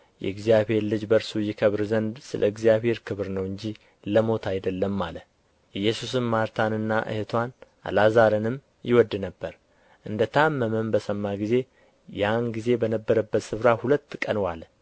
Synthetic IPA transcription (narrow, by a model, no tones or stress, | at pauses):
jɛ̰ɨɡzijaβhe̞ɾlɨd͡ʒbəɾsujɪkʰəβɾzənd̪sɨlʔəɨɡzijaβhe̞ɾkʰɨβɾnəwɨɲd͡ʒi | ləmo̞t̪ʰajd̪əlːəmːalə | ʔɨjːɛsus̬ɨmmaɾt̪ʰanɨnːaʔɨ̰het̪ʰwanʔa̰lazaɾɨnɨm | jɪwɔd̪ːɨnəbːəɾ | ʔɨnd̪ət̪ʰamːəməmbəsəmːaɡize̞ | janɡize̞bənəbːəɾəbːət̪sɨfɾahulət̪ːkʼənwal